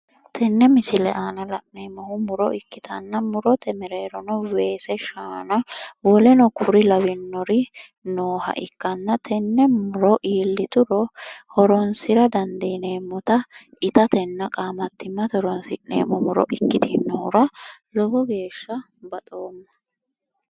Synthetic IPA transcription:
t̪ʰɛnːɛmɪsɪlɛ̰ʔaːnɐlɐʔnemːɔhʊmʊɾɔ̰ɪkːɪt̪ʰɐnːɐmʊɾɔt̪ɛmɛɾeːɾɔnɔwe̞ːsɛʃaːnɐwɔlɛnɔkʰʊɾɪlɐwɪnːɔɾɪ | noːhɐ̰ʔɪkːɐnːɐt̪ʰɛnːɛmʊɾɔʔiːlːɪt̪ʊɾɔhɔɾɔnsɪɾɐd̪ɐnd̪iːneːmːɔt̪ɐ | ɪt̪ɐt̪ɛnːɐkʼaːmɐt̪ːɪmːɐt̪ɔɾɔnsɪᶑḛːmɔmʊɾɔ̰ʔɪkːɪt̪ɪnːɔhʊɾɐlɔɡɔɡe̞ːʃːɐ | bɐt̪ʼo̞ːmːɐ

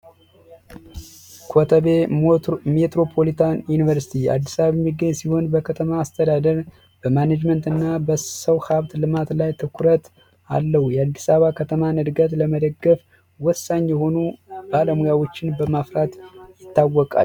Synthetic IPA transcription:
kʰot̪ʰəβe | met̪ɾo̞pʰo̞lit̪ʰanjunivəɾsi̥t̪ʰia̰d̪ːisaβaβjɛmːiɡəɲːsiho̞nbəkʰət̪ʰəmaːst̪ʰəd̪ad̪əɾ | b̥əmanad͡ʒmənt̪ɨnːabəsəwhaβt̪lɨmat̪lajt̪ʰɨkʰuɾət̪ | a̰lːəhujɛad̪ːisaβakʰət̪ʰəmanɨd̪ɡət̪ləməd̪əɡːəf | wɔsːaɲːjɛho̞nubaləmujawo̞t͡ʃːɪnbəmafɾat̪jɪt̪ːawːɔkʼa̰

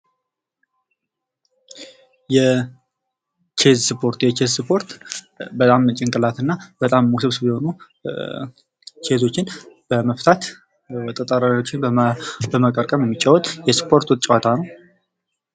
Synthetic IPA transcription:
jɛ | t͡ʃe̞zsɨpʰo̞ɾt̪jɛt͡ʃezsɨpʰo̞ɾt̪ | bət̪ʼamt͡ʃʼɪŋkʼɨlat̪ʰɨnːab̥ət̪ʼamːusɨβsɨbjɛho̞nu | t͡ʃʰe̞zo̞t͡ʃːɪnb̥əməft̪ʰat̪ | t̪ʼət̪ʼəɾaɾot͡ʃːɪnbəməkʼəɾkʼəmjɛmːit͡ʃʼːawɔt̪ʼjɛspʰo̞ɾt̪wɔt͡ʃʼawat̪ʰanəw

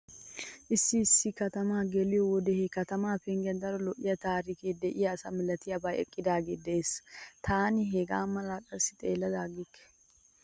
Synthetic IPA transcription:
ʔɪsːɪɪsːɪkɐt̪ɐmaːɡɛlɪjɔwɔd̪ɛhɛkɐt̪ɐmaːpɛŋɡjɐnd̪ɐɾɔlɔʔːɪjɐt̪aːɾikeːd̪ɛʔɪjɐːsɐmɪlɐt̪ɪjɐbɐjɛ̰kʼːɪd̪aːɡeːd̪ɛʔeːsɐ̥t̪ʰaːnɪɦeɡa̰ːmɐlaːkʼɐɾsɪ̥t̪ʼeːlːɐd̪aːɡɪkːɛ̥

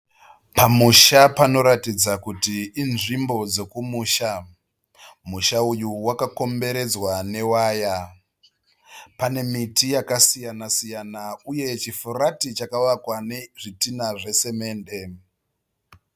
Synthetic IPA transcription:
pamuʃapano̞ɾatid͡zakutiːnʐimbo̞d͡ze̞kumuːʃa | muʃaujuwakako̞mbe̞ɾe̞d͡zwane̞waːja | pane̞mitijakasijanasijanauje̞t͡ʃifuratit͡ʃakaʋakwane̞ʐitinaʐe̞se̞me̞ːnde̞

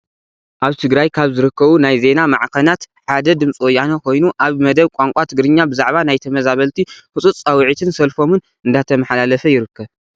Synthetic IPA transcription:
ʔaβt̪ʰɨɡɾajkʰaβzɨɾɨkʰːɐβunajze̞namaʕkʰɐnat̪ | ħad̪ɐd̪ɨmt͡sʼwojːanokʰo̞jnuʔaβmɐd̪ɐβkʷʼaŋkʷʼat̪ʰɨɡɾɨɲːabɨzaʕβanajt̪ʰɐmɐzaβɐlt̪ʰikɨt͡sʼut͡st͡sʼɐwʕit̪ʰɨnsɐlfo̞mɨn | ɨnd̪at̪ʰɐmɐħalalɐfɐjɪɾɨkʰːɐβ

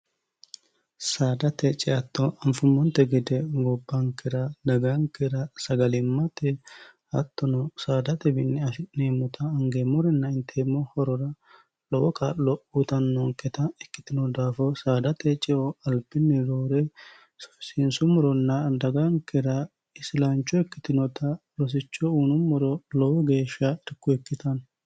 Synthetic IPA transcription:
saːd̪ɐt̪ɛt͡ʃʼɛɐt̪ːɔɐɱfʊmːɔnt̪ːɛɡɪd̪ɛɡɔbːɐŋkːɛɾɐd̪ɐɡɐŋkɛɾɐsɐɡɐlɪmːɐt̪ɛ | ɐt̪ːɔnɔsaːd̪ɐt̪ɛbɪnːɪɐnemːʊt̪ʰɐːŋɡemɔɾɛnːɐɪnt̪ʰeːmːɔhɔɾɔɾɐ | lɔwɔkɐlɔʔut̪ɐnːɔŋkːɛt̪ɐɛkːɪ̥t̪ɪnɔd̪aːfɔsaːd̪ɐt̪ʰɛt͡ʃʼɪʔɔɐlpːɪnːɛd̪oːɾɛ | sɪnsʊmɔɾɔnːɐd̪ɐɡɐŋkɛɾɐ | ɪsɪlant͡ʃːɔɛkːɪt̪ɪnɔt̪ɐɾɔs̬ɪt͡ʃːɔuːnʊmɔɾɔlɔwɔɡe̞ːʃːɐɛɾkːʊɛkːɪt̪ɐn

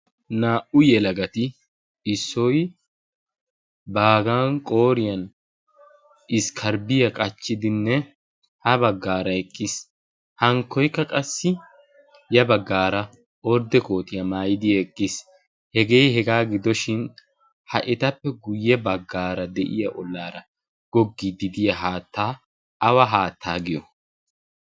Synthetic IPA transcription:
naːʔʊjɛlɐɡɐt̪ɪ | ɪsːɔj | baːɡaːŋkʼo̞ːɾɪjɐn | ʔɪskʰɐɾbɪjɐkʼɐt͡ʃːɪd̪ɪnːɛ | hɐbɐɡːaːɾɐɛkʼːɪs | hɐŋkːɔjkːɐkʼɐsːɪ | jɐbɐɡːaːɾɐ | ɔɾd̪ɛko̞ːt̪ɪjɐmaːjɪd̪ɪjɐɛkʼːɪs | hɛɡe̞ːhɛɡaːɡɪd̪ɔʃɪn | hɐʔɪt̪ɐpːɛɡʊjːɛbɐɡːaːɾɐd̪ɛʔɪjɐʔɔlːaːɾɐ | ɡ̥ɔɡːid̪ɪd̪ɪjɐɦaːt̪ːaː | ɐwɐɦaːt̪ʰːaːɡɪjɔ

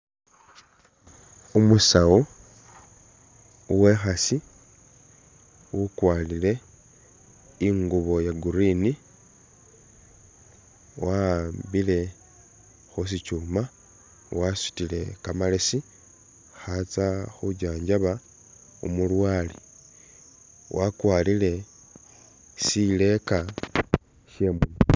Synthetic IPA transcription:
umusau | uwe̞xasi | wukwaːlile̞ | iŋɡuβo̞jaɡuɾini | wambile̞ | xus̬it͡ʃuːma | wasu̥tile̞kamalesi | xat͡saxuɟaːɲɟaβa | ṵmulwaːli | wʔakwaːlile̞ | sile̞ka | ʃe̞muno

